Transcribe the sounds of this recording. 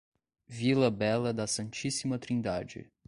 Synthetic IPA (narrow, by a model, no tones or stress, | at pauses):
vilɐbɛlɐd̪ɐsɐ̃nt͡ʃisimɐt̪ɾĩnd̪ad͡ʒɪ̰